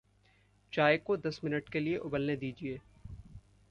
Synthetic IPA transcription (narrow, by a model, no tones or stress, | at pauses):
t͡ʃaːekod̪ɐsmɪnəʈkelieʔʊbəlned̪iːd͡ʒieː